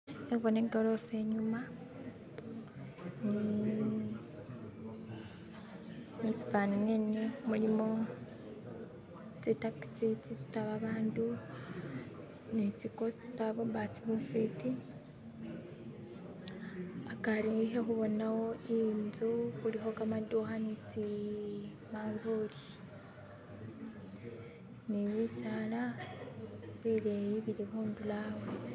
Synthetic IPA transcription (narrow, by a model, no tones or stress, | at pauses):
exuβoneɡalofe̞ɲuma | ni | nici̥fanienemulimo̞ | t͡setaki̥fitisi̥taβaβaːndu | nicikosi̥taβoβasiβufiti | akaɾiŋixexuβo̞nawo̞inzuxulixo̞kamaduxanit͡si | maːɱvuli | niβisaːla | βilejiβiɾeβuːndulawe